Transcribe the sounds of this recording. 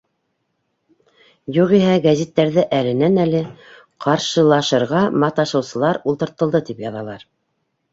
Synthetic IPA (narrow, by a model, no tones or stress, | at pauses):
juʁiɦæɡæzʲit̪ːæɾðɘʔælɘ̆nænælɘ | qʰɑɾʃɤ̆lˠɑʃɤ̆ɾʁɑmɑt̪ɑʃɤ̆wsɤ̆lˠɑɾulˠt̪ɤ̆ɾt̪ɤ̆lˠd̪ɤt̪ipjɑðɑlˠɑɾ